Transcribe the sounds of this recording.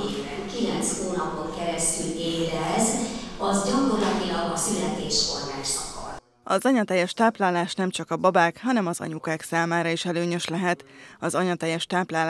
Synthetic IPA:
eːkbɛŋkilɛnt̪shoːnɒpoŋkɛɾɛst̪yleːd̪ɛzɒzɟɒkorlɒt̪ilɒɡɒsylɛt̪eːʃfo̰rmaːt͡ʃɒkɒ̰l | ɒzɒɲɒt̪ɛjːɛʃt̪aːplaːlaːʃnɛmt͡ʃɒkɒbɒbaːkɦɒnɛmɒzɒ̰ɲukaːksaːmaːɾɒiʃɛløːɲøʃlɛɦɛt̪ɒzɒɲɒt̪ɛjːɛʃt̪aːplaːl

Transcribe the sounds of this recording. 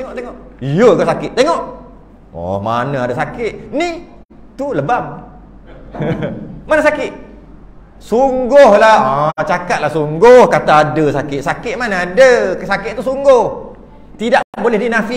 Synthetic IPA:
eŋɔʔt̪eŋɔʔjəkasakɪt̪̚t̪eŋɔʔ | ɔ̰ma̰nãadəsakɪt̪̚ni | t̪uləbam | manəsakɪt̪̚ | suŋɡʊhlahat͡ʃakat̪̚lahsuŋɡʊhkat̪aːdəsakɪt̪ʔ̚sakɪt̪̚manadəsakɪt̪̚t̪ːuhsuŋɡʊh | t̪idaʔbolɛhdinafi

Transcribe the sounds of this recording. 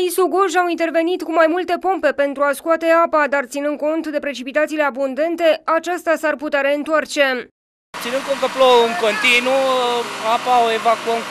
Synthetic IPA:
isuɡoʒawint̪e̞rve̞nit̪kumajmult̪e̞po̞mpe̞pe̞nt̪ɾuaskuat̪e̞apad̪art̪sinɨnd̪̚ko̞nt̪d̪e̞pɾe̞t͡ʃipit̪at̪sile̞abund̪e̞nt̪e̞at͡ʃast̪asarput̪eaɾe̞ɨnt̪oart͡ʃe̞ | t̪sinɨn̚kon̚kəplouŋkont̪inuapaoevakuəm

